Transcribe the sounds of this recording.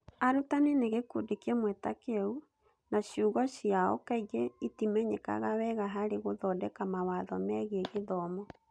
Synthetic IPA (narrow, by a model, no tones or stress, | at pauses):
aɾutaneneɣekudekɛmwɛtakeɛu | naɕuɣɔɕiaɔkaiɣeitimɛɲɛka̰ɣawɛɣaɦaɾeɣoðɔdɛkamawaðɔmɛɣeɣeðɔmɔ